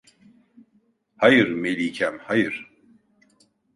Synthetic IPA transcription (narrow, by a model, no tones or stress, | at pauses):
hajɯɾmelʲiːcʰæmhajɯɾ̥